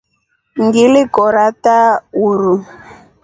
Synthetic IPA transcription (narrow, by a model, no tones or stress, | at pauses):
ŋɡilɪkɔɾatauɾu